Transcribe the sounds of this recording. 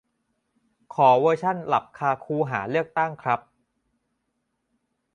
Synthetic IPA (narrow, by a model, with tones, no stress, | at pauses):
kʰɔː˩˦wɤː˧t͡ɕʰa˥˩nla˨˩p̚kʰaː˧kʰuː˧ɦaː˩˦lɯ˥˩ək̚t̪a˥˩ŋkʰɾa˦˥p̚